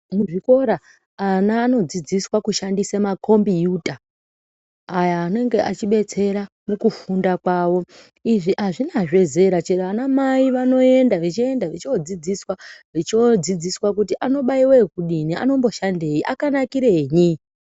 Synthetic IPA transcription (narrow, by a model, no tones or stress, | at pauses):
muʐiko̞ɾaː | naːno̞d͡zid͡ziswakuʃandisemakʰo̞mbijuta | jaːne̞ŋɡe̞ʔat͡ʃiɓe̞t͡se̞ɾa | nekufundakwaːwo̞ | iʐiʔaʐinaʐe̞ze̞ɾat͡ʃeanamaiʋano̞e̞ndaʋit͡ʃie̞ndaʋit͡ʃiod͡zid͡ziswaʋit͡ʃod͡zid͡ziswakutiʔano̞ɓaiwekuɗinia̰no̞mbo̞ʃandejiʔakanakiɾe̞ɲi